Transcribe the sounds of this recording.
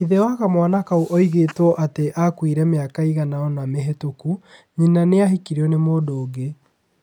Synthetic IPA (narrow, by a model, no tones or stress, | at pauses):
iðewaɣamwanakauʔɔiɣeːtwɔʔateʔakwiɾɛmeakaiɣanaɔnameɦetokuɲinaneaɦikiɾiɔnemoːdoːɣe